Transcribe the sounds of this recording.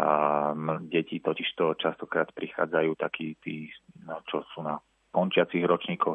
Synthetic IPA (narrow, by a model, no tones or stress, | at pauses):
amɟɛcit̪ɔciʃt̪ɔt͡ʃast̪ɔkɾaːt̪pɾixa̰ːd͡zajuːt̪akʰiːt̪iːt͡ʃɔsuːna | kɔnt͡ʃɪat͡siɣɾɔt͡ʃɲiːkʰɔx